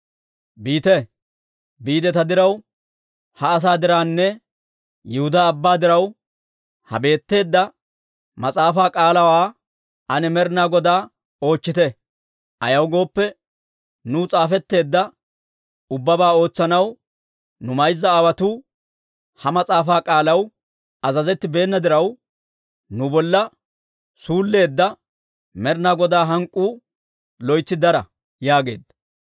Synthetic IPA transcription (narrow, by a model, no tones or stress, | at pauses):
biːt̪ɛ | biːd̪ɛt̪ɐd̪ɪɾɐw | hɐːs̬aːd̪ɪɾaːnːɛ | jɛhʊd̪ɐːbːaːd̪ɪɾɐw | hɐ̰be̞ːt̪ːe̞ːd̪ːɐ | mɐt͡sʼaːfaːkʼaːlɐwaː | ʔɐnɛmɛɾnaːɡɔd̪aː | o̞ːt͡ʃːɪt̪ɛ | ɐ̰jɐwɡo̞ːpːɛ | nut͡sʼaːfɛt̪ːe̞ːd̪ːɐ | ʊbːɐbaːo̞ːt͡sːɐnɐw | nʊmɐjzːɐːwɐt̪uː | hɐmɐt͡sʼaːfaːkʼaːlɐw | ɐzɐzɛt̪ːɪbe̞ːnːɐd̪ɪɾɐw | nʊbɔlːɐ | suːlːe̞ːd̪ːɐ | mɛɾnaːɡɔd̪aːɦɐŋkʼːuː | lɔjt͡sːɪd̪ɐɾɐ | jaːɡe̞ːd̪ːɐ